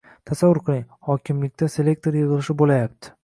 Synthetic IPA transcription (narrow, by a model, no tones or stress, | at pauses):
t̪ʰasavʊɾqʰɨlˠɪŋ | hɒkʲʰɪmlɪk̚ʲt̪ase̞le̞k̚t̪ʰo̞ɾjɨʁɨlˠɪʃɪbolajap̚t̪ʰɪ̥